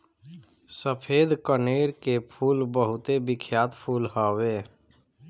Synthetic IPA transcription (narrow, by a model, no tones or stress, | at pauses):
səpʰeːd̪kəneːɾkepʰuːlbəɦʊt̪ebɪkʰjaːt̪pʰuːlɦɔweː